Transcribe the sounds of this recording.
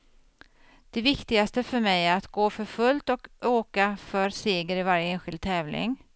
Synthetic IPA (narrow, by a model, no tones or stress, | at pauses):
d̪̥ɛvɪkt̪ɪɡast̪əfœɾmɛjat̪ɡoːfœɾfɵlt̪ɔkøːkafœɾseːɡəɾɪvaɾjəeːnɧɪld̪̚t̪ʰɛːvlɪ̰ŋ